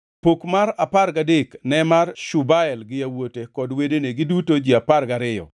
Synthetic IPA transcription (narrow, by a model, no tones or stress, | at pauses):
pokmaɾaparɡadeknɛmarʃubaɛlɡɪawotekɔdwedeneɡɪdutod͡ʒiaparɡaɾɪjɔ̰